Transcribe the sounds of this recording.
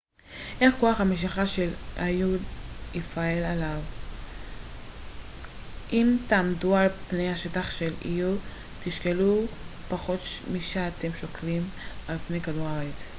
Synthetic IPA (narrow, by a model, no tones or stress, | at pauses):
ʔe̞χkoaχameʃ̬iχaʃelajudifaelalav | ʔimt̪aːmdualpne̞jhaʃetaχʃelḭju | t̪iʃkelupaχo̞tmiʃeat̪emʃoklimalpnejkaduʁaʁet͡s